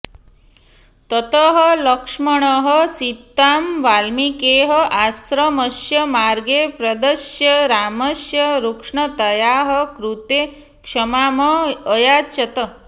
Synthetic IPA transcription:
t̪ɐt̪əɦələkʂməɳ̃ɔɦəsit̪ːaːmʋaːlmikeːɦəʔasɾəməʃjɐmaɾɡepɾɐd̪əʃjɐɾaːmɐsjɐɾukʂɳɐt̪ɐjaːɦəkɾut̪e | kʂɐmaːmɐːjat͡ʃɐt̪ə

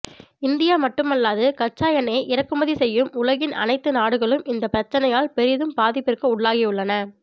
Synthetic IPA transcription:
ɪnd̪ɪjaːmɐʈːɯmɐlːaːðɯkɐt͡ʃːaːjɐneɪʔɪɾɐkːɯmɐðisɛjːɯmʊlɐɣɪnɐ̰nɐɪt̪ːɯnaːɽɯɣɐɭɯmɪnd̪ɐpːɪɾɐt͡ʃːɐnɐjaːlpɛɾɪðɯmpaːðɪpːɪrkɯʊɭːaːɣɪʊɭːɐnɐ

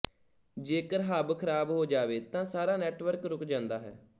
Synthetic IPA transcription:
d͡ʒeːkəɾɦaːbkʰəɾaːbɦoːd͡ʒaːʋeːt̪ãːsaːɾaːnɛːʈʋəɾkɾʊkd͡ʒãːnd̪aːɦɛ̰ː

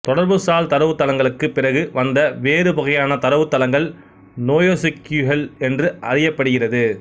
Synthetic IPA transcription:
t̪ɔɽɐɾbɯsaːlt̪ɐɾɐʋɯt̪ːɐlɐŋɡɐɭɯkːɯpːɪrɐɣɯʋɐnd̪ɐʋeːɾɯpɔɣɐjaːnɐt̪ɐɾɐʋɯt̪ːɐlɐŋɡɐɭ | noːjoːsɪkːjuɦɛlɛndrɯʔɐ̰rɪjɐpːɐɽɯɣɪrɐðɯ

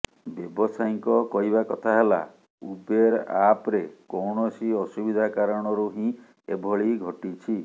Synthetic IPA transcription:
bjebɔsajŋkɔkɔɦiβakɔt̪ʰaɦela̰ | ubeɾapɾekɔwɳɔsiɔsubid̪ʱakaɾɔɽ̃ɔɾuɦĩ | ḛbʱɔɭiɡʱɔʈit͡ʃʰi

